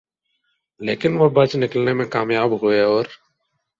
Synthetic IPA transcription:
leːkɪnʋobat͡ʃnɪkəlnemẽkaːmjaːbɦoeɔːɾ

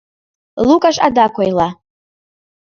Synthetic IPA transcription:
lukʼaʂʼa̰dakʷʰajla

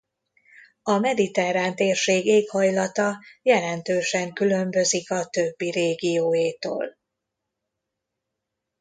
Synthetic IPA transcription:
ɒmɛd̪it̪ɛɾaːnt̪eːrʃeːɡeːkhɒjlɒt̪ɒjɛlɛnt̪øːʃɛŋkylø̞mbø̞zikɒt̪øbːiɾeːɡijoːjeːt̪o̰ːl

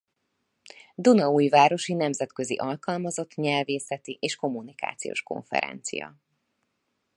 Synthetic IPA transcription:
d̪unɒuːjvaːɾo̞ʃinɛmzɛt̪køziʔɒlkɒlmɒzo̞t̪ɲɛlveːsɛt̪iʔeːʃko̞mːunika̰ːt̪sijo̰ːʃko̞̰ɱfɛ̰ɾɛ̰nt̪sḭjɒ̰

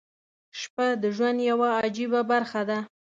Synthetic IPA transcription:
ʃpad̪əʒwand̪jawaːd͡ʒibabaɾxad̪a

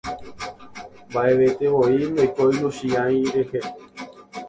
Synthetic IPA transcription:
mbaeʋet̪eoimbajkojnũʃiãj̃ɾehe

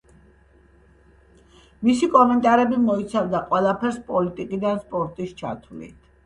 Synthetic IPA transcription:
misikʼɔmɛnt̪ʼaɾɛbimɔit̪sʰavd̪aqʼwɛlˠapʰɛɾspʼɔlit̪ʼikʼid̪anspʼɔɾt̪ʼist͡ʃʰa̰t̪ʰulḭt̪ʰ

